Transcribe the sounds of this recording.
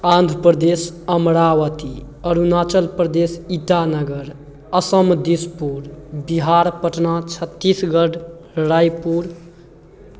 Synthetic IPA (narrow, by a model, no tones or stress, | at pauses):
ãnd̪ʱɾəpɾəd̪esəmɾawət̪i | əɾunat͡ʃəlpɾəd̪esiʈanəɡəɾ | əsəmd̪ispuɾbiɦaɾpəʈʰnat͡ʃʰət̪ːisɡəɖɾajpuɾ